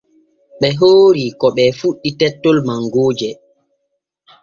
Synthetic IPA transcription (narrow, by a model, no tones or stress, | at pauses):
ɓɛɦoːɾikɔɓɛfuɗːitɛtːolmaŋɡoːd͡ʒɛ